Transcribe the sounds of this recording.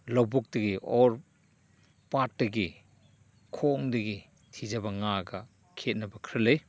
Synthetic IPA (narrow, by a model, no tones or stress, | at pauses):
lɐwbuk̚tɐɡiʔɔɾ | pat̚dɐɡi | kʰoŋdɐɡi | tʰizɐbɐŋaɡɐ | kʰet̚nɐbɐkʰɾɐlej